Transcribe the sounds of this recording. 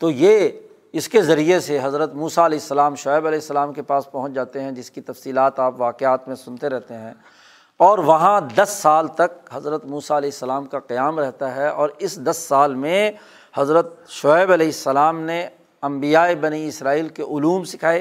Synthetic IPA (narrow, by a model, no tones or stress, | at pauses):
t̪oːje | ɪskezɐɾieseɦɐzɾət̪muːsaɐlɛːɪsːəlaːmʃɔːɪbɐlɛːɪsːəlaːmkepaːspɐɦʊ̃t͡ʃd͡ʒaːt̪eɦɛ̃d͡ʒɪskit̪ɐfsiːlaːt̪aːpʋaːqeaːt̪mẽsʊ̃nt̪eɾɛɦt̪eɦɛ̃ː | ɔːɾʋɐɦãd̪ɐsːaːlt̪ɐk̚ɦɐzɾət̪muːsaɐlɛːɪsːəlaːmkaqijaːmɾɛɦt̪aɦɛɔːɾɪsd̪ɐsːaːlmẽ | hɐzɾət̪̚ʃɔːɪbɐlɛːɪsːɐlaːmne | ɐ̃mbijaːebɐniɪsɾaːiːlkeʔʊluːmsɪkʰaːe